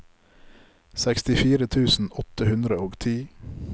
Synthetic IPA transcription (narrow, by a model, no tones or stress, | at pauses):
sɛkst̪ɪfiːɾət̪ʰʉːsn̩ɔt̪əhʉnd̪ɾəoːɡt̪ʰiː